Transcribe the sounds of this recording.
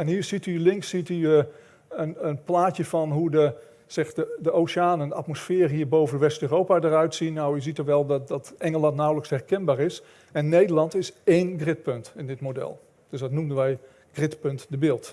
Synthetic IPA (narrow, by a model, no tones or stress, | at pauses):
ɛnɦiːɹsityəlɪŋksːityjə | ənənplaːtjəfɑnɦudə | sɛxtdədəoʃəaːnəɛndəatmosfɪːrəɦiːbowvəndəʋɛstøːrowpadərœɥtsinːawjəzitəɹʋɛlˠdɑdɑtɛŋəlɑntnawləkshɛɹkɛnbaːɹɪs | ɛnːejdəlɑntɪseːnɡrɪt̚pøntɪndɪtmodɛ̰lˠ | d̥øsdɔtnumdənʋɛj | ɡ̥rɪtpɵntdəbɪːlˠt